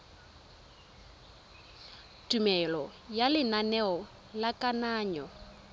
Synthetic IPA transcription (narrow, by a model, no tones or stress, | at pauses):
tʼumɛlɔjalɪnanɛɔ | lakʼanaːɲɔ